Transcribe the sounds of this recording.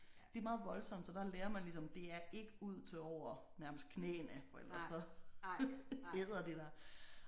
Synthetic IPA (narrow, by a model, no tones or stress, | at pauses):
d̥e̝mɑ̈ːð̞̩ˠʋɒ̽lsɒ̽m̰d̥sɒ̽d̥ɑ̈leːɐmɑ̈ɪlisɒ̽md̥e̝æɐʔe̝ɡ̥əuð̞̰ˠt͡sʰe̝lɒʊ̰ɐ | næɐməsd̥̚kʰnḛːnæfɒ̽el̰d̥ʁɐssɒ̽ | eð̰ˠɐd̥e̝d̥æ